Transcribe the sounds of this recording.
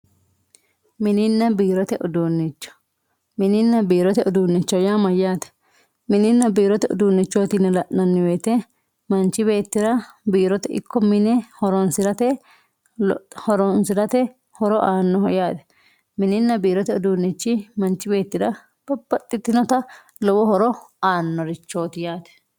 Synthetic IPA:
mɪnɪnːɐbiːɾɔt̪ɛʔʊd̪unːɪt͡ʃːɔ̥ | mɪnɪnːɐbiːɾɔt̪ɛʔʊd̪uːnːɪt͡ʃːɔjamɐjːaːt̪ɛ̥ | mɪnɪnːɐbiːɾɔt̪ɛʊ̰d̪uːnːɪt͡ʃːoːt̪ɪnɛlɐʔɐnːɪweːt̪ɛ | mɐnt͡ʃːɪbe̞ːt̪ːɪɾɐbiːɾɔt̪ɛʔɪ̰kʰːɔmɪnɛhɔɾɔnsɪɾɐt̪ɛ | hɔɾɔnsɪɾɐt̪ɛ | hɔɾɔʔaːnːɔhɔjaːt̪ɛ̥ | mɪnɪnːɐbiːɾɔt̪ɛɔd̪uːnːɛt͡ʃːɪmɐnt͡ʃːɪbe̞ːt̪ːɪd̪ɐ | b̥ɐbːɐt̪ʼːɪt̪ːɪnɔt̪ɐ | lɔwɔhɔɾɔaːnːɔɾɪt͡ʃːo̞ːt̪ɪjaːt̪ɛ̥

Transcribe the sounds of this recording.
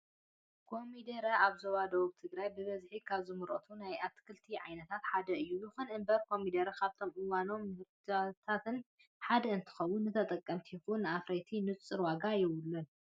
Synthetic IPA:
kʰo̞mid̪ɐɾɐʔaβzɐwad̪ɐwuβt̪ʰɨɡɾajbɨβɐzħikʰaβzɨmɨɾʔo̰t̪ʰunajʔat̪kʰɨlt̪ʰiʕajnɐt̪ʰat̪ħad̪ɐɨjːujɨxunɨmbɐɾkʰo̞mid̪ɐɾɐkʰaβt̪ʰo̞mʔɨwano̞mːɨhɾt̪ʰat̪ʰat̪ʰɨn | ħad̪ɐɨnt̪ʰɨ̥xɐwːʊnːɨt̪ʰɐt̪ʼɐkʼːɐmt̪ʰixunːɨafɾet̪ʰinɨt͡sʼːɨɾwaɡajɪwʊlːun

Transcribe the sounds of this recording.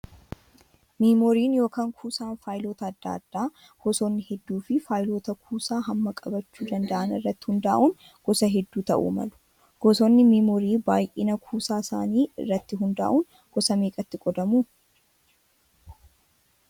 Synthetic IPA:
miːmoːɾiːnjo̞ːkaːŋkʰuːsaːnfaːjlo̞ːt̪ɐːd̪ːa̰ːd̪̥ːaː | ɡ̥ɔsoːnːɪhɛd̪ːuːfɪfaːjlo̞ːt̪ɐkʰuːsaːɦɐmːɐkʼɐbɐt͡ʃːuːd̪ɐnd̪ɐʔɐnɪrːɐt̪ːɪ̥hʊnd̪aːʔuːn | ɡ̥ɔsɐɦɛd̪ːuːt̪ɐ̰ʔṵːmɐ̰lʊ̥ | ɡ̥ɔsoːnːɪmiːmoːɾiːbaːjʔɪnɐkʰuːsaːsa̰ːniːɪ̰rːɐt̪ːɪɦʊnd̪a̰ːʔuːn | ɡ̥ɔsɐmeːkʼɐt̪ːɪɡʼɔd̪ɐmuː

